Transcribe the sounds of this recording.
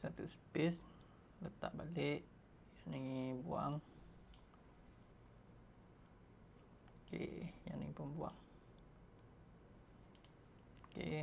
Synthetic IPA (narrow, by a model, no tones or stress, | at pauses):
sat̪uspis | lət̪a̰ʔbaleʔ | janiŋbuaŋ | kḛjanḭŋpəmbua̰ŋ | kḛʔ